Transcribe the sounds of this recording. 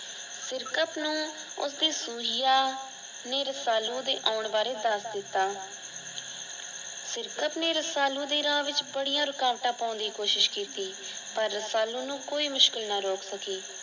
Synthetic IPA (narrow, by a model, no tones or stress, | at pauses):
sɪɾkəp̪nũː | ʊ̰sd̪iːsuːɦɪjaː | neːɾəsaːlũːd̪eːʔaːʊɳbaːɾeːd̪əɾsd̪ɪt̪ːaː | sɪɾkəp̪neːɾəsaːlũːd̪eːɾãːʋɪt͡ʃbəɽijãːɾʊkãːʋʈãːpaːʊ̃nd̪iːkoːʃɪʃkɪt̪iː | pəɾːəsaːlũːnũːkoːiːmʊʃkɪlnaːɾoːksəkiː